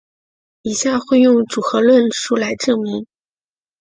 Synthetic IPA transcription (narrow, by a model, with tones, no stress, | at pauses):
i˨˩ɕja˥˧xwe˥˧ɪjʊ˥˩ŋʈ͡ʂu˨˩xɤ˧˥lwə˥˩nʂu˥˩la˧˥ɪʈ͡ʂɤ˥˩mi˧˥ŋ